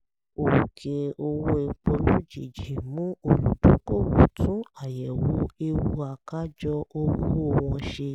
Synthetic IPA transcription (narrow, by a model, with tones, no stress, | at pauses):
o˨kʰe˨o˧wo˦e˧k͡po˧lo˦d͡ʒi˨d͡ʒi˨mũ˦o˧lu˨dõ˨˦ko˦˨wu˨tʰũ˨˦a˦˨jɛ˨wu˨˦e˧wu˧a˨ka˦d͡ʒɔ˧o˧wu˦o˧˨w̃ɔ̃˧ʃe˧